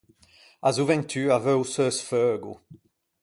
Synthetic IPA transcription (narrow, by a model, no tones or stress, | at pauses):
azuvɛ̃nt̪ʰyːʁavɛwsœːsfœːɡṵ